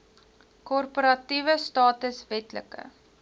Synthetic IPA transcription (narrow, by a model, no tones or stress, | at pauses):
kɔrpoɾɐtivəstɑːtəsvɛtlə̰kə̰